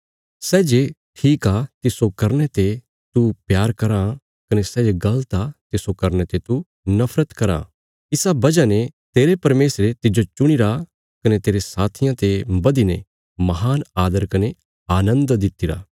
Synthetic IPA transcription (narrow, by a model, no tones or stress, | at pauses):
sɛːd͡ʒeʈʰiːkat̪ɪsokɐɾnet̪e | t̪upjaːɾkɐɾã | kɐnesɛːd͡ʒeɡɐlt̪at̪ɪsokɐɾnet̪et̪u | nɐpʰɾət̪kɐɾa̰ | ɪsabɐd͡ʒanet̪eːɾepɐɾmeːsɾet̪ɪd͡ʒot͡ʃʊɽ̃iɾa | kɐnet̪eːɾesaːt̪ʰɪjãt̪ebɐd̪ine | mɐɦaːnaːd̪əɾkɐne | aːnə̃nd̪d̪ɪt̪ːiɾa̰ː